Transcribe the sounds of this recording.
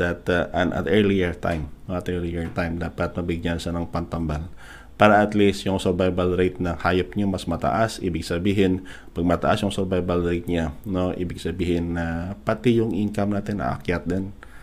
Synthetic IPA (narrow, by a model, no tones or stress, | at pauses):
d̪ɐt̪ʔɐnʔɐ̰t̪ɛɹlijiɹt̪a̰jmoɐt̪ʔɛɹlijɪɹt̪ajmd̪apɐt̪̚mɐbɪɡ̚ɲansɐnɐŋpɐnt̪ɐmbal | paːɾɐʔɐt̪list̪jʊŋsɛɹbajbalɾɛjt̪̚nɐhajɐp̚ɲomɐsmɐt̪ɐ̰ʔasʔḭːbɪɡsɐbiːɦɪn | pɐɡ̚mɐt̪ɐ̰ʔasjʊŋsɛɾbajbalɾɛjt̪̚ɲanoʔḭːbɪɡsɐbiːhɪnːɐpɐt̪ɪjʊŋʔɪnkɐmnaːt̪ɪnʔɐ̰ʔa̰kjat̪̚d̪ɛn